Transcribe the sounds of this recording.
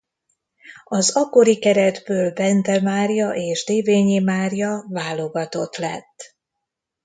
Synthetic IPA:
ɒzɒkːo̞ɾikɛɾɛd̪bøːlbɛnt̪ɛmaːrjɒʔeːʒd̪eːveːɲimaːrjɒvaːlo̞ɡɒt̪o̞t̪lɛ̰t̪ː

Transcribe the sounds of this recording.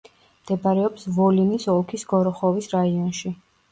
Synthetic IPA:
md̪̥ɛbaɾɛɔpsvɔlinisɔlˠkʰisɡɔɾɔχɔvisɾaiɔnʃi

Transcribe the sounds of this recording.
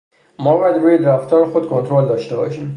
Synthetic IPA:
mɒːbɒːjæd̪ɾuːjed̪eɾæft̪ʰɒːɾexod̪kʰont̪ʰɾold̪ɒːʃt̪e̞bɒ̰ːʃiːm

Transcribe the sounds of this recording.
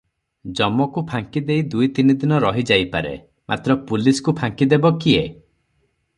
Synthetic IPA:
d͡ʒɔmɔkupʰaŋkid̪ejd̪ujt̪inid̪inɔɾɔɦid͡ʒajpaɾḛ | mʔa̰t̪ɾɔpuliskupʰaŋkid̪ebɔkie

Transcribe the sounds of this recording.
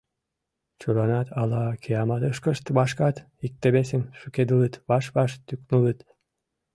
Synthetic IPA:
t͡ɕulɑnɑt̪ʰɑlɑkʰeɑmɑt̪əʃkə̆ʃt̪βɑʃkɑt̪ | ik̚t̪ĕβes̬ĕmʃyked̪ɨlɯt̪βɑʃβɑʃt̪yknulˠɯt̪

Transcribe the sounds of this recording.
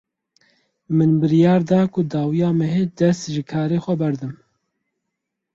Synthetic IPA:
mɨnbɨɾijɑːɾd̪ɑːkʊd̪ɑːwijɑːmɛɦed̪ɛst̪ʒɨkʰɑːɾeːxʷɛbɛɾd̪ɨm

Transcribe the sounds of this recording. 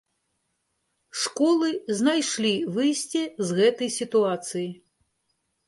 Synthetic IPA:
ʂkɔlˠɨznajʂlʲivɨjsʲt͡sʲɛzɣɛt̪ɐjsʲit̪uat̪sɨji

